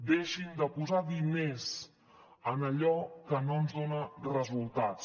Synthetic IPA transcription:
d̪eʃind̪əpuzaðinez | ənəʎɔkənoənzðonərəzulˠt̪at͡s

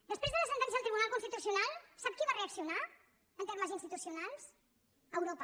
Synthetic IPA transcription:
d̪əspɾezðələsənt̪ɛnsiəlˠt̪ɾiβunalˠkunst̪it̪usiunalˠsap̚kiβareəksiuna | ənt̪eɾrməzinst̪it̪usiunalˠs | əwɾopə

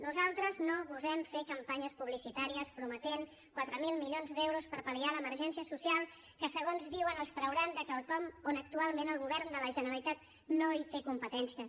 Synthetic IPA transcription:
nuzalˠt̪ɾəznoβuzɛmfekəmpaɲəspuβlisit̪aɾiəspɾumət̪eŋ | kwat̪ɾəmilˠmiʎonzd̪ɛwɾuspəɾpəlialəməɾʒɛnsiəsusialˠ | kəsəɣ̞onzðiwənəlˠst̪ɾəwɾand̪əkəlˠt̪ɔmonək̚t̪ualˠmẽnəlˠɣuβɛɾnd̪ələʒənəɾəlit̪at̪ | noit̪ekumpət̪ɛnsiə

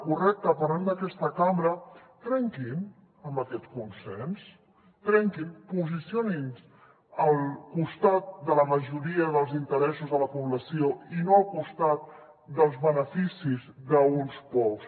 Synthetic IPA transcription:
kurɛk̚t̪əpəɾand̪əkɛst̪əkambɾət̪ɾɛŋkin | əmbəkɛt̪kunsɛns | t̪ɾɛŋkimpuzisionins | əlˠkust̪at̪̚d̪ələməʒuɾiəðəlˠzint̪əɾɛsuzðələpuβləsioinoəlˠkust̪at̪̚ | d̪əlˠzβənəfisizðəunspɔws

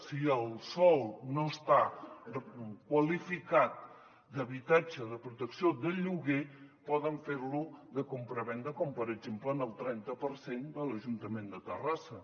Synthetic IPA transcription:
siəlˠsɔlˠnoəst̪a | kwəlifikat̪̚ | d̪əβit̪ad͡ʒəðəpɾut̪əksiod̪əʎuɣepɔðəɱfeɾluðəkumpɾəβɛnd̪ɾəkɔmpəɾəɡd͡ʒempləːnəlˠt̪ɾɛnt̪əpəɾsend̪ələʒunt̪əmend̪ət̪ə̰rasə

